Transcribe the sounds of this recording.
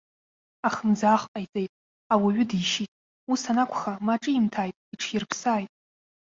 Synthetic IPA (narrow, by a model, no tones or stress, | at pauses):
aχəmd͡zaːχqʼajt͡sʼe̞jtʼ | awaɥʏdiʃitʼ | usanakʷʰχamaʈ͡ʂʼɨimtʰajtʼiʈ͡ʂʰjɪrpʰsaːjtʼ